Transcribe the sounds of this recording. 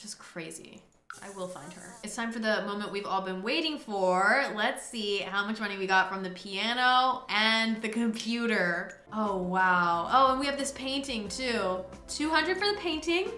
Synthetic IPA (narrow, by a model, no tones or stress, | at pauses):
ʒ̥ʌskʰɹ̥eɪzḭ | ʔa̰ɪwɪlˠfãɪ̃nd̥̚ə̰˞ɨtstʰãɪ̃ɱfə˞ðɨmõʊ̃mə̃nʔwivɔlˠbɨ̃nweɪɾɪ̃ŋfə˞lɨtsihaʊmʌt͡ʃmʌñiwiɡɑtfɹʌ̃mðɨpʰiænoʊʔɨ̃nðɨkʰɨ̃mpʰj̥ʉɾə˞ | oʊwaʊʔoʊə̃nwiɨvðɪspʰẽɪ̃ntɪ̃ŋtʰʉ | tʰʉɦʌ̃ndɹɨd̥fə˞ðɨpʰẽɪ̃ntɪ̃ŋ